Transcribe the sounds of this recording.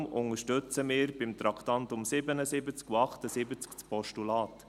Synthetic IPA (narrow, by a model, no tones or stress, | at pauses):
mʊ̰ŋəʃtɵt͡səmɪːɾb̥ɪmt̪ɾɑkʰt̪ɑnt̪ʊmsɪbənəsɪbət͡skuɑχtəsɪbət͡skt͡spʰɔʃtulɑːt